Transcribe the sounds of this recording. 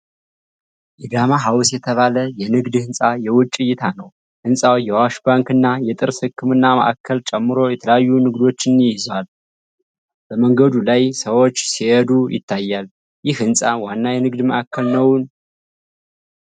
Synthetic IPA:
ʔɛd̪amaɦawsjɛt̪ʰəβaləjɛnɨɡd̪hɨnsʼajɛwʊt͡ʃʼːɪjːɪt̪ʰanəw | hɨnsʼawjɛwaʃbaŋkɨnːajɛt̪ʼɨɾshɨkːɨmɨnːamə̰ʔa̰kʰːəlt͡ʃʼɛmːɨɾo̞jɛt̪ʰələjajːunɨɡd̪o̞t͡ʃːɪnjɪjɪzwal | b̥əməŋɡəd̪ulajsəwo̞t͡ʃːsihɛd̪ujɪ̰t̪ʰːajːal | jɪhhɨnsʼanwanːajɛnɨɡd̪məʔakʰːəlnəwn

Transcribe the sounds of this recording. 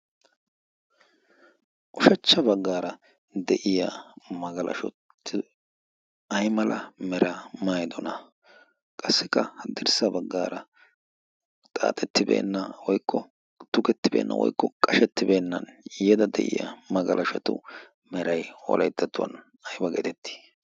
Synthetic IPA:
ʔɔʃɐt͡ʃːɐbɐɡːaːɾɐ | d̪ɛʔɪjamɐɡɐlʔɐ̰ʃɔtː | ɪ | ɐjmɐlʔɐmɛɾɐmajd̪ɔnɐ | kʼɐsːɪkːɐhɐd̪ɪɾsɐbɐɡːa̰ːɾɐ | t̪ʼa̰ːt̪ʼɛt̪ːɪbḛːnːɐwɔjkʰːɔ | t̪ʊkɛt̪ːɪbeːnːɐ̰wɔ̰jkːɔkʼɐʃɛt̪ːɪbe̞ːnːɐnjɛd̪ɐd̪ɛ̰ʔɪ̰ja̰mɐɡɐlʔɐʃɐt̪ʊ̰ | mɛɾɐjɔ̰lʔɐjt̪ːɐt̪ːʊwɐ̰n | ɐjbɐɡḛt̪ɛt̪ːi̥

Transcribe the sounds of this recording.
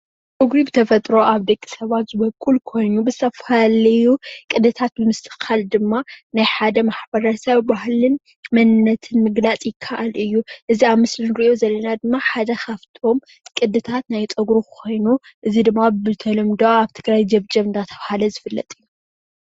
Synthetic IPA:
t͡sʼɨɡɾibɨt̪ʰɐfɐt̪ʼɾo̞ʔaβd̪ɐkʼːi̥sɐβat̪zɨβɐkʼːulkʰo̞jnubɨzt̪ʰɐfalɐjukʼɨd̪ɨt̪ʰat̪̚bɨmɨst̪ʼɨxald̪ɨmːanajħad̪ɐmaħbɐɾɐsɐβbahlɨn | mɐnɨnːɐt̪ʰɨnmɨɡnat͡sʼjɪkʰːaʔalɨjːuʔɨziaβmɨslɨnɾiʔo̞zɐlːɐnad̪ɨmːaħad̪ɐxʰaβt̪ʰo̞m | kʼɨd̪ːɨt̪ʰat̪najt͡sʼɐɡɾuko̞jnuʔɨzid̪ɨmːabɨt̪ʰɐlɐmd̪oaβt̪ʰɨɡɾajd͡ʒɐβd͡ʒɐβɨnd̪ʰat̪ʰɐβahalɐzɨfɨlːɐt̪ʼɨjːu

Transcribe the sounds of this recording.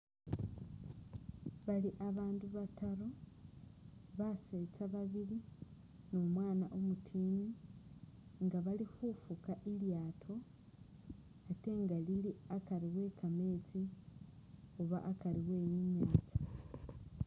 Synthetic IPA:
βaliʔaβaːnduβataɾo̞ | βaset͡saβaβili | no̞mwaːnaʔo̞mutʰiːni | ŋɡaβalixufukaʔiljaːtʰo̞ | ate̞ŋɡaliliakaɾiɣwe̞ːkame̞ːt͡si | oβa̰ʔːkaɾiɣwe̞ːjiɲaːt͡sḁ

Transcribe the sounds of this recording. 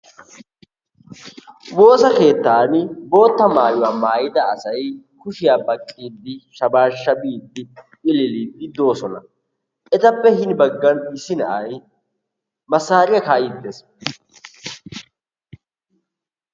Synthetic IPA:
wo̞ːsɐke̞ːt̪ːaːnbo̞ːt̪ːɐmaːjʊwaːmaːjɪd̪ɐːsɐj | kʊʃɪjaːbɐkʼːiːd̪ːɪʃɐbaːʃːɐbiːd̪ːɪ | ɪlɪliːd̪ːɪd̪o̞ːsɔnɐ | ʔɛt̪ɐpːɛɦɪnbɐɡːɐnɪsɪnɐʔɐj | mɐsːaːɾɪjɐkaːjɪd̪ːɛs

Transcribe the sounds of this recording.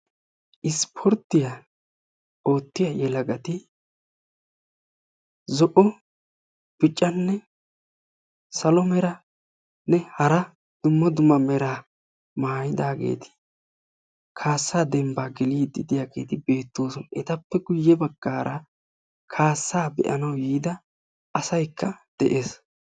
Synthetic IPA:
ʔɪspʰɔɾt̪ːɪja | o̞ːt̪ːɪjajɛlɐɡɐt̪ɪ | zɔʔɔ | b̥ɪt͡ʃʼːɐnːɛ | sɐlɔmɛɾɐ | nɛhɐɾɐ | d̪̥ʊmːɐd̪ʊmːɐmɛɾaː | maːjɪd̪aːɡe̞̰ːt̪ɪ̥ | kʰaːsːaːd̪ɛmbaːɡɛliːd̪ɪd̪ɪjaːɡe̞̰ːt̪ɪbe̞ːt̪ːoːsɔnʔɛt̪ɐpːɛɡʊjːɛbɐɡ̥ːaːɾʔɐ | kʰaːsːaːbɛ̰ʔɐnɐwjiːd̪ɐ | ɐsɐjkʰːɐd̪̥ɛʔeːs

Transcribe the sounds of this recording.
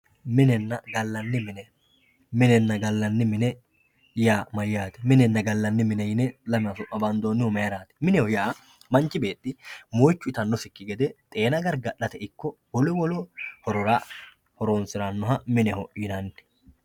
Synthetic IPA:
mɪnɛnːɐɡɐlːɐnːɪmɪnɛ | mɪnɛnːɐɡɐlːɐnːɪmɪnɛ | jaːmɐjːaːt̪ɛ̥mɪnɛnːɐɡɐlːɐnːɪmɪnɛjɪnɛlɐmɪɐsʊʔʔɐbɐnd̪oːnːɪhɔmɐjɐɾaːt̪ɛ̥mɪnɛhɔjaː | mɐnt͡ʃːɪbe̞ːt̪ʼːɪmoːjt͡ʃːʊɪt̪ɐnːɔsɪkːɪɡɛd̪ɛt̪ʼe̞ːnɐɡɐɾɡɐɗɐt̪ɛɪkːɔwɔlɛwɔlɔhɔɾɔɾa | hɔɾoːnsɪɾanːɔɦɐmɪnɛhɔɪnɐn

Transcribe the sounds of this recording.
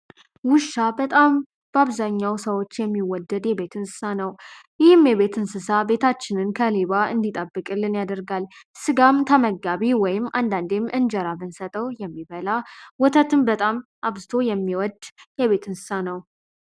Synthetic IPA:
wʊʃːabət̪ʼam | b̥əaβzaɲːawsəwo̞t͡ʃːjɛmːiwɔd̪ːəd̪jɛbe̞t̪ʰɨnsɨ̥sanəw | jɪhɨmjɛβe̞t̪ʰɨnsɨsabe̞t̪ʰat͡ʃːɪnɨnkʰəleβaɨnd̪it̪ʼəbːɨkʼɨlːɨnjad̪əɾɡalsɨɡamt̪ʰəməɡaβiwɔjɪmːʔand̪and̪emʔɨnd͡ʒəɾamɨnsət̪ʼəwjɛmːiβəlawɔt̪ʰət̪ʰɨmbət̪ʼamʔaβzɨt̪ʰo̞jɛmːiwɔd̪jɛβe̞t̪ʰɨnsɨ̥sanəw

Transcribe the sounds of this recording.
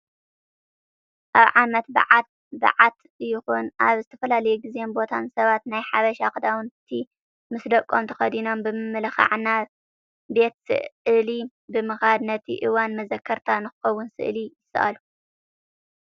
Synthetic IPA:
ʔaβʕamɐt̪bɨ̰ʕat̪̚ | bɐ̰ʕat̪ | ɨjːɪxunʔaβzɨt̪ʰɐ̥fɐlalɐjuɡizembo̞t̪ʰansɐβat̪najħaβɐʃakɨd̪awʊnt̪ʰi | mɨsd̪ɐkʼːomt̪ʰɐ̥xɐd̪ino̞mbɨmɨmːɨlɐxa̰ʕna | be̞t̪sɨ̰ɨli | bɨmɨxad̪nɐt̪ʰiʔɨwanmɐzɐkʰːɐɾt̪ʰanɨxɨxɐwːʊnsɨ̰ʔlijɪsɐ̰ʔa̰lu

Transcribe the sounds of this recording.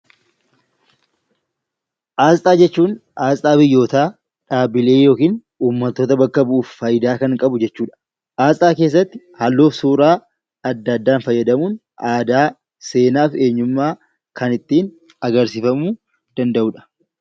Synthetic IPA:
ʔaːsʼaːd͡ʒɛt͡ʃːuːnʔaːsʼaːbɪjːo̞ːt̪aː | ᶑaːbɪle̞ːjo̞ːkiːn | uːmːɐt̪ːo̞ːt̪ɐbɐkːɐbʊʔuːfːɐjɪd̪aːkɐŋkʼɐbʊd͡ʒɛt͡ʃːuːᶑɐ̥ | ʔaːsʼaːke̞ːs̬ːɐt̪ːɪ̥ | hɐlːo̞ːfsuːɾaː | ɐd̪ːɐd̪ːaːnfɐjːɐd̪ɐmuːn | ʔaːd̪aː | se̞ːnaːfe̞ːɲːʊmːaː | kɐnɪt̪ːiːn | ɐɡɐɾsɪfɐmuː | d̪̥ɐnd̪ɐʔuːᶑɐ̥

